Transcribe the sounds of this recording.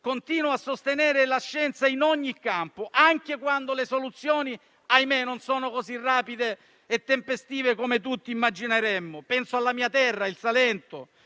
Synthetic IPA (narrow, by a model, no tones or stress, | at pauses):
kont̪iːnoasːost̪enɛːɾelaʃːɛnt̪sainɔɲːikːampoʔaŋk̟ekwand̪olesolut̪sːjɔːni | ajmenonsɔːnokozirːaːpid̪eː | t̪ːempest̪iːvekomet̪̬ut̪ːiːmːad͡ʒineɾɛmːʊpɛnsoalːamiːat̪ɛrːailsalɛnt̪ʊ